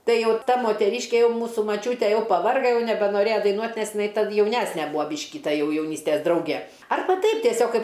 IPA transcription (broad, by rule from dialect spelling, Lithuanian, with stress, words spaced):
ˈtɐɪ ˈjɛʊ ˈtɐ moːtʲɛˈrʲiːʃʲkʲɛ ˈjɛʊ ˈmuːsuː mɐˈt͡ʃʲuːtʲɛ ˈjɛʊ pɐˈʋɐrɡɐ ˈjɛʊ nʲɛbʲɛnoːˈrʲeːjɛ dɐɪˈnuɔtʲ nʲɛs jɪˈnɐɪ tɐt jɛʊˈnʲæːsʲnʲɛ ˈbuːɐ ˈbʲiːʃʲkʲɪ ˈtɐ ˈjɛʊ jɛʊˈnʲiːsʲtʲɛs ˈdrɐʊɡʲɛ ˈɐrbɐ ˈtʲɛɪp tʲiɛˈsʲoːk ˈkɐɪp